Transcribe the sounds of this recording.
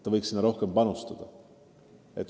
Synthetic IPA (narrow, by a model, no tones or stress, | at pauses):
t̪ːɑvɤjksinːɑɾo̞hke̞mpɑnust̪ɑd̪̥ɑ | et̪ːˑ